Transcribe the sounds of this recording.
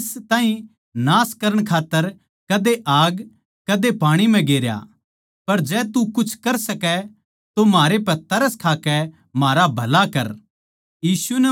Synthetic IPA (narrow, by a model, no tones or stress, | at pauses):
st̪aːɦĩ | naːskɐɾəɽ̃kʰaːt̪ːəɾ | kɐd̪eʔaːɡ | kɐd̪epaːɽ̃im̤ɛ̃ɡeːɾja̰ | pɐɾd͡ʒɛːt̪ukʊt͡ʃʰkɐɾsɐkɛ | t̪omaːɾepɛt̪ɐɾəskʰaːkɛ | maːɾabʱɐlakɐɾ | jiːsunɐ